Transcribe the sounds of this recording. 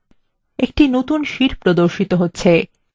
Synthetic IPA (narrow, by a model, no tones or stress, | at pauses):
ekʈinot̪unʃiɾpɾod̪oɾʃit̪oɦotːɕʰe